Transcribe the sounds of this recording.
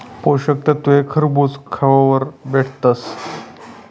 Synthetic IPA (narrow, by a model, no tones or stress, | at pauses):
poɕək̚t̪ət̪uɦekʰəɾbut͡skʰaʋaʋəɾbeʈʰt̪əs